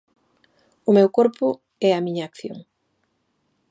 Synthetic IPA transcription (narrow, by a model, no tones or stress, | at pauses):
ʊmewkoɾpʊ | ɛamiɲaːkθjo̰ŋ